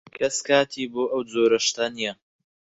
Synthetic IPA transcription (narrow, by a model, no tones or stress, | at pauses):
kʰɐskaːt̪ʰiːboːʔɐwd͡zoːɾɐʃt̪ɐnijɐ